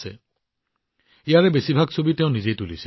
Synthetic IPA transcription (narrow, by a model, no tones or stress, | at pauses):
sɛ | ijaɹɛbesibʱaɡsʰobitɛʊ̃nizejt̪ulisi